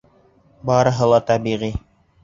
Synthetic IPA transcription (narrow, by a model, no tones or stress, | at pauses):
bɑɾɤ̆ɦɤlˠɑt̪ɑbiʁi